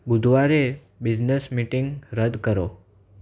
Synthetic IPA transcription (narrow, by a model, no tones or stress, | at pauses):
bud̪ʱʋaɾe | bid͡ʒnəsmiʈiŋɡɾəd̪kəɾo